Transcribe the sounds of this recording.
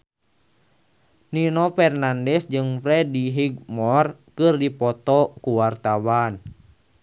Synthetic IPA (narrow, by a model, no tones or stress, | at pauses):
ninɔfɛrnandɛsd͡ʒɨŋfɾɛdiɦiɡmɔrkɨrdipɔt̪ɔkuwart̪awan